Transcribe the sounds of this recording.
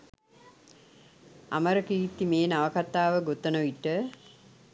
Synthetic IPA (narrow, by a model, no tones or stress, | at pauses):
a̰məɾəkiːt̪ːimeːnaʋəkat̪ːaːʋəɡot̪ənəʋiʈə